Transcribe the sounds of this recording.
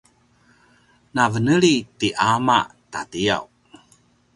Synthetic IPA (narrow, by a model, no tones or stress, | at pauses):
navənəɭitiʔama̰ʔtatia̰w